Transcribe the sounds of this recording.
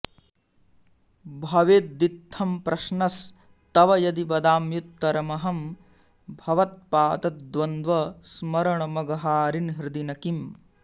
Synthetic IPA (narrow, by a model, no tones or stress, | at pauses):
bʱɐʋeːt̪̚d̪it̪ʰːɐmpɾɐʃnɐs | t̪ɐʋɐjɐd̪ibɐd̪aːmjut̪ːɐɾɐmɐɦɐm | bʱɐʋɐt̪̚paːt̪ɐt̪̚d̪ʋɐnd̪ʋɐsmɐɾɐɳɐmɐɡɐɦaːɾinɦɾɪd̪inɐkim